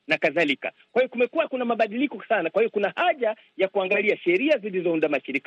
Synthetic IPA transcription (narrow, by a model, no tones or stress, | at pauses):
nakaðalika̰kwahijɔkumɛkuakunamaɓaɗilikɔsanakwahijɔkunahaʄa | jakuaŋɡaliaʃɛɾiazilizɔundamaʃiɾik